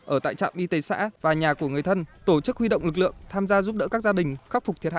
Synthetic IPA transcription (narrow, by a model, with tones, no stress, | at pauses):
ʔəː˧˩t̪a̰ː˧˨jt͡ɕa̰ː˧˨mʔi˧t̪e˧˩sa̰ː˧˥vaː˨˩ɲaː˨˩ku˧˩əŋɨ˨˩əjt̪ʰə˧nt̪o˧˩t͡ɕɨ˦˥k̚hwi˧ɗo̰˧˨wŋ͡mlɨ˨˩k̚lɨ̰˧˨əŋt̪ʰaː˧mzaː˧zu˦˥p̚ɗə̰˧˥kaː˦˥k̚zaː˧ɗï˨˩ŋ̟xa˦˥k̚fʊ˨˩k͡p̚t̪ʰi˨˩əhaː˧˨